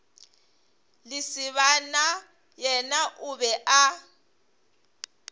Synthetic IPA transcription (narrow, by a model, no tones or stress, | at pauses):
lisiβana | jɛnaʔuβɛʔa